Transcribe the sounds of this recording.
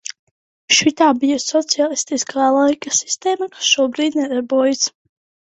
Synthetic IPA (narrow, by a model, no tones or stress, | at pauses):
ʃwit̪aːbijəsːɔt̪sialˠist̪iskʰaːlˠajkasi̥st̪ɛːmakḁsʃuɔbɾiːd̪nɛd̪ɛbɔːjɛs